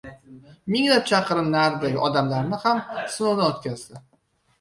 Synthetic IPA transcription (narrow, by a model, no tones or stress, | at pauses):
mɪŋlap̚t͡ʃʰɑqɨɾɪmnaɾd̪aɡʲɪʔɒd̪amlaɾnɪhamsʊnowd̪aot̪kʲazd̪ɪ